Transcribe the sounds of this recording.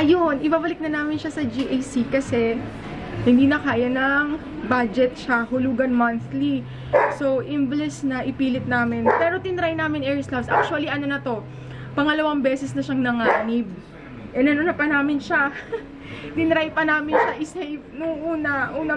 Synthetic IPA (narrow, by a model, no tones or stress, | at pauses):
ʔɐjonʔɪbaːbɐlɪk̚nɐnaːmɪnʃɐsɐd͡ʒiʔɐjsikɐsɛ | hɪnd̪iːnɐkaːjɐnɐŋ | bad͡ʒɛt̪̚ʃahʊluːɡɐnmɐnθli | so̞wʔɪmvlɛsnɐʔɪpiːlɪt̪̚naːmɪnpɛːɾo̞t̪ɪnɾajnaːmɪnɛːɹslabsʔa̰k̚t͡ʃʊɐliʔɐnonɐt̪o̞ | pɐŋɐlɐwaŋbɛːsɛsnɐʃɐŋnɐŋaːnɪb̚ | ʔɛnɐnonɐpɐnaːmɪnʃa | t̪ɪnɾajpɐnaːmɪnʃɐʔɪsɛjnʊŋʔuːnɐʔuːnɐ